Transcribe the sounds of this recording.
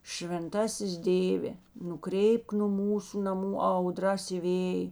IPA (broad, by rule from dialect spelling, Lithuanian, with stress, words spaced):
ʃʲʋʲɛnˈtɑːsʲɪs ˈdʲeːʋʲeː nʊˈkrʲɛɪpk nʊ ˈmuːsʊ nɐˈmuː ˈɐʊˌdrɐs ɪ ˈʋʲeːj